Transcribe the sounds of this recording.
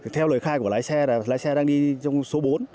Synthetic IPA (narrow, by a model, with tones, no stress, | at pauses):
i˨˩t̪ʰɛ˧wləː˨˩jxaː˧jku˧˩əlaː˨˦jsɛ˧aː˨˩laː˨˦jsɛ˧ɗaː˧ŋɗi˧t͡ɕɔ˧wŋ͡mso˨˦ɓo˨˦n